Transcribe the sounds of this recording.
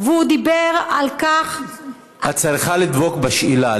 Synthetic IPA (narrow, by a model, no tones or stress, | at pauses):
veud̪ibeʁalkaχ | hat͡saʁiχalid̪bokbaʃʔila